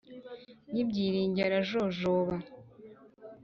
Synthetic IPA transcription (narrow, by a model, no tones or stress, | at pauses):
nibɟiːɾiːɲɟaɾaʒoʒoβa